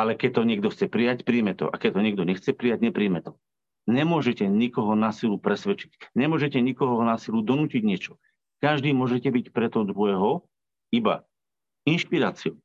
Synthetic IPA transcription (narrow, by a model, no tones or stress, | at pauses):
alɛkɛc̚t̪ɔɲɪɛɡd̪ɔxt͡sɛpɾijacpɾiːmɛt̪ɔ̰ʔa̰kɛct̪ɔɲɪɛɡ̚d̪ɔɲɛxt͡sɛpɾijaɟɲɛpɾiːmɛt̪ɔ | ɲɛmʊɔʒɛcɛɲikɔɦɔnaːsilupɾɛsʋɛt͡ʃi̥cɲɛmʊɔʒɛcɛɲikɔɦɔnaːsilud̪ɔnuːciɟɲɪɛt͡ʃɔ | kaʒd̪iːmʊɔʒɛcɛbicpɾɛt̪ɔd̪ɾuɛɦɔ | iba̰ | inʃpiɾaːt͡siu